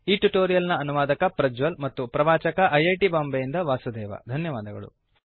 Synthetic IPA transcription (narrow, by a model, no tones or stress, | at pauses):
iːʈuʈoːɾijɐlnɐɐnuʋaːd̪ɐkɐpɾɐd͡ʒʋɐlmɐt̪ːupɾɐʋaːt͡ʃɐkɐʔɐjɐjʈibaːmbejind̪ɐʋaːsud̪ɛːʋɐ̰d̪ʱɐnjɐʋaːd̪ɐɡɐ̰ɭṵ